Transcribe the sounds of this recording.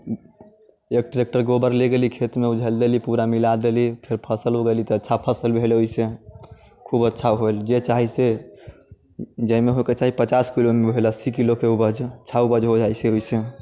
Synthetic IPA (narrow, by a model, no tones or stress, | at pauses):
ek̚ʈɾek̚ʈəɾɡobəɾleɡelikʰet̪meud͡ʒʱəld̪elipuɾamilad̪elipʰeɾpʰəsəlɦoɡelit̪ɔətːʃʰapʰəsəlbʱeleoise | kʰubətːʃʰaɦoeld͡ʒet͡ʃaɦise | d͡ʒəimeɦoket͡ʃaɦipət͡ʃaskilomebʱelasikilokeubəd͡ʒt͡ʃʰaubəd͡ʒɦod͡ʒajseoise